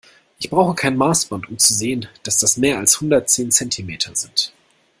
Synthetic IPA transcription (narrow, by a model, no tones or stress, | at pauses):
ʔɪçb̥ʁaʊxəkʰaɪnənmaːsb̥ɔntʊmt͡suzeːənd̥asd̥asmeːɐalshʊndɐtt͡seːnt͡sɛntʰimeːtʰɐzɪnt